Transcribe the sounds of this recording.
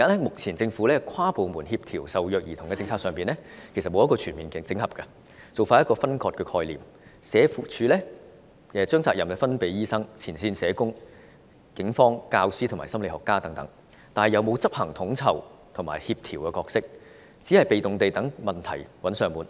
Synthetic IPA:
kaː˨˥n˥mʊ˨k̚t͡sʰiː˨˩nt͡sɪ˧ŋfuː˨˥lɛː˥kʰaː˥po˨˧wmuː˨˩nhiː˧p̚t̪ʰiː˨˩wsɐ˨wjœː˨k̚jiː˨˩tʰʊ˨ŋkɛ˧t͡sɪ˧ŋt͡sʰaː˧ksœː˨˧ŋpiː˨nlɛ˥kʰe˨˩jsɐ˨t̚mo˨˧wjɐ˥kɔː˧t͡ʃʰyː˨˩nmiː˨˩nkɪ˨˥t͡sɪ˧ŋhɐ˨p̚kɐ˧ | t͡so˨wfaː˧˥jɐ˥tkɔː˧fɐ˥nkɔː˧t̚kɛː˧kʰɔː˧jlḭː˨˩m | sɛː˨˧fuː˨˩t͡ʃʰyː˨˧lɛː˥ | ɛː˨˩t͡ʃœː˥ŋt͡saː˧k̚jɐ˨mkɛ˧fɐ˥npe˨˧jjiː˥sɐ˥ŋt͡sʰiː˨˩nsiː˧nsɛː˨˧kʊ˥ŋ | kɪ˨˥ŋfɔː˥ŋkaː˧wsiː˥t̪ʰmaː˨˩sɐ˥mle˨˧hɔː˨kːaː˥t̪ɐ˨˥ŋt̪ɐ˨˦ŋ | t̪aː˨nhɐ˨jɐ˨˧wmo˨˧wt͡sɐ˥p̚hɐ˨˩ŋt̪ʰʊ˨˥ŋt͡sʰɐ˨wt̪ʰʊ˨˩ŋma̰ː˨˩jhiː˧p̚t̪ʰiː˨˩wkɛ˧kɔː˧k̚sɪ˥k̚ | t͡siː˨˥hɐ˨jpe˨jt̪ʊ˨ŋt̪e˨jt̪ɐ˨˥ŋmɐ˨˩nt̪ʰɐ̰˨˩jwɐ˨˥nsœː˨ŋmuː˨˥n

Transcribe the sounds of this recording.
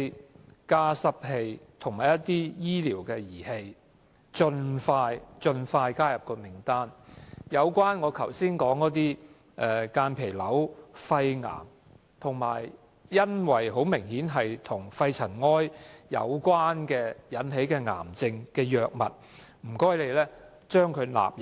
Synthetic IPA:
kaː˧sɐ˨p̚he˧jt̪ʰʊ˨˩ŋmaː˨˩jɐ˥t̚t̪iː˥jiː˥liː˨˩wkɛː˧jiː˨˩he˧j | t͡ʃɵ˧nfaː˧jt͡ʃɵ˧nfaː˧jkaː˥jɐ˨p̚kɔː˧mɪ˨˩ŋt̪aː˥njɐ˨˧wkʷwaː˥nŋɔː˨˧kʰɐ˨˩wsiː˥nkɔː˨˥ŋkɔː˨˥t̪iː˥ | ʔɛː˨˩kaː˧npʰe˨˩lɐ˨˥wfɐ˧jŋa̰ː˨˩m | t̪ʰʊ˨˩ŋmaː˨˩j | jɐ˥nwɐ˨˩jɦo˨˥wmɪ˨˩ŋhiː˨˥nɦɐ˨jt̪ʰʊ˨˩ŋfɐ˧jt͡sʰɐ˨˩nŋɔː˥jjɐ̰˨˧wkʷwaː˥nkɛː˧jɐ˨˧nɦe˨˥jkɛː˧ŋa̰ː˨˩mt͡sɪ˧ŋkɛː˧jœː˨k̚mɐ˨t̚ | m̩˨˩kɔː˥jle˨˧jlɛː˥ | t͡ʃœː˥ŋkʰɵ˨˧ɥla̰ː˨p̚

